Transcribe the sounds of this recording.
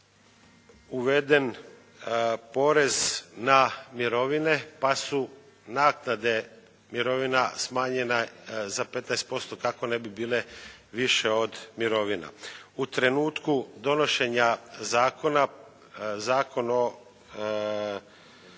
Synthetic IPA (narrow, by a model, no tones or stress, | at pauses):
uʋe̞d̪e̞n | po̞ɾe̞znamiɾo̞ʋine̞pasu | naːknad̪e̞ | miɾo̞ʋinasmaːɲe̞nazape̞t̪naest̪̚po̞st̪o̞kako̞ne̞bibiːle̞ʋiʃe̞o̞d̪miɾo̞ʋina̰ut̪ɾe̞nuːt̪kud̪o̞no̞ʃe̞ɲazaːko̞na | zaːko̞no